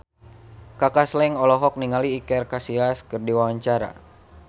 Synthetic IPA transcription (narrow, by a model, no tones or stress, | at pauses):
kakaslɛŋɔlɔɦɔk̚niŋaliːkɛrkasilaskɨrdiwawaɲt͡ʃaɾa̰